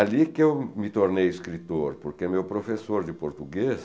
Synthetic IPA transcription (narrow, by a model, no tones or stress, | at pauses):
alikɪewmɪt̪oɾnejɪskɾit̪oɾpoɾkemewpɾofesoɾd̪ɪpoɾt̪uɡes